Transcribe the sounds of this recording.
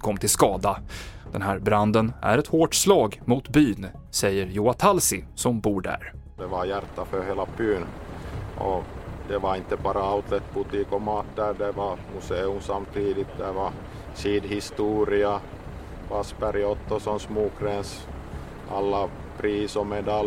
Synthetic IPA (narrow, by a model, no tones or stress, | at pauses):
kʰɔmːt̪ʰɪlskɑːd̪ad̪̥ɛnɦæɾbɾand̪ənʔæ̰ɾɛt̪hoːʈslɑːɡmut̪byːn | sɛjːəɾjuːat̪ʰalsɪsɔmbuːɖæ̰ɾ | d̪ɛvaɾjæɾt̪ːafœɾheːlapʰyːnʔɔ̰d̪ɛvaɪnt̪ːəbɑːɾaaʊt̪ʰlɛt̪̚bʊt̪iːkɔmɑːt̪ːəɾɖɛvamʊseːɵmsamːt̪ʰiːd̪ɪt̪̚d̪ɛva | siːd̪hɪst̪uːɾɪa | vaspæɾɪɔt̪ːɔsɔmsmuːkɾɛns | a̰lːa | pʰɾiːsɔmɛd̪al